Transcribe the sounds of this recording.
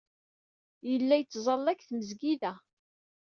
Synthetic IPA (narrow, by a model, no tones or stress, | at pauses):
jəlːæjət͡sːzˤɑlːækθməzɡiðæ